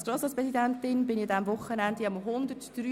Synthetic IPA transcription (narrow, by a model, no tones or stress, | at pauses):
sɡ̥ɾoːsɑːspʁɛsidɛntɪnbɪnɪçɑdɛmvʊχːənɛnd̪iɑmɦʊnd̪ətd̥ɾyː